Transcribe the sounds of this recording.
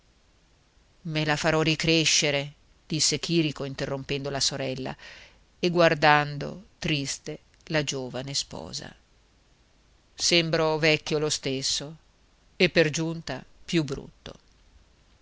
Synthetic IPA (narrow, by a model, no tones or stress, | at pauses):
melafaɾɔrikɾeʃːeɾe | d̪̥isːekiːɾikoint̪erːompɛnd̪olasoɾɛlːa̰ | eɡward̪and̪o̰t̪ɾist̪e | lad͡ʒoːvanespɔ̰ːza̰ | sembɾovɛkːjolost̪esːo | epːerd͡ʒunt̪apjubːɾṵt̪ːo̰